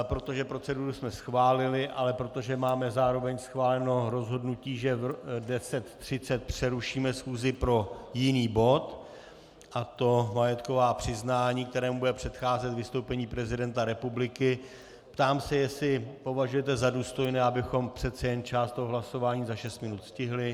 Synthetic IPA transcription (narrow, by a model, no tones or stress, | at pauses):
pɾo̞t̪o̞ʒɛpɾo̞t͡sɛduɾusmɛsxvaːlɪlɪʔalɛpɾo̞t̪o̞ʒɛmaːmɛzaːɾo̞vɛɲsxvaːlɛno̞ɾo̞zɦo̞dnuciːʒɛdɛsɛt̪t̪ːr̥ɪt͡sɛt̪̚pr̥ɛɾuʃiːmɛsxuːzɪpɾo̞jɪniːbo̞t̪ | ʔat̪o̞majɛt̪ko̞vaːpr̝̥ɪznaːɲiːkt̪ɛɾɛːmubudɛpr̝̥ɛt̪xaːzɛt̪vɪst̪o̞wpɛɲiːpɾɛzɪdɛnt̪aɾɛpublɪkɪ | pt̪aːmsɛjɛslɪpo̞vaʒujɛt̪̬ɛzaduːst̪o̞jnɛːʔabɪxo̞mpr̥ɛt̪t͡sɛjɛnt͡ʃaːst̪oɦoɦlaso̞vaːɲiːzaʃɛst̪mɪnut̪scɪɦlɪ